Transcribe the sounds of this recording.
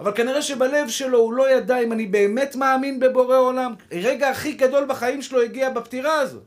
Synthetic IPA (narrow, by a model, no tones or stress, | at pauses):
avalkaniʁeʃe̞bale̞vʃe̞lo̞ulo̞jadaimanibe̞ːme̞tmaːminbe̞bo̞ʁeo̞lamʁeɡaːχiɡado̞lbaχaimʃelo̞iɡiabaptiʁaːzo̰t